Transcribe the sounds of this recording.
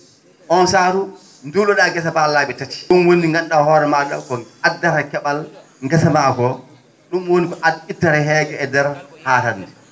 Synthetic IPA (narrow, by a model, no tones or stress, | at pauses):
ʔɔnsaːɾu | ndulɔɗaɡɛs̬abalaːɓɛtati̥ɗumwoniŋɡanɗahɔːɾɛmaɗakɔadːaɾakɛɓal | ŋɡɛsamakɔ | ɗumwonikɔʔaditːaɾɛɦɛːɡɛːdɛɾhaːtanːdɛ